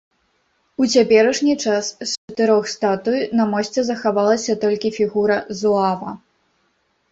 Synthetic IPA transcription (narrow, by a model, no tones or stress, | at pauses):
ut͡sʲapʲɛɾɐʂnʲit͡ʂast͡ʂɐt̪ɨɾɔxst̪at̪ujnɐmɔsʲt͡sʲɛzɐxavalˠɐsʲɐt̪ɔlʲkʲifʲiɣuɾɐzuavɐ